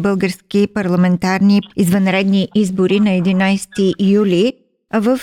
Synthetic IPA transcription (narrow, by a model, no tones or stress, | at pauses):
bɤlˠɡəɾskʲipɐɾlˠɐmɛnt̪aɾniizvɐnɾɛd̪niʔizboɾinɐɛd̪inajst̪ijulʲi | ɐvəf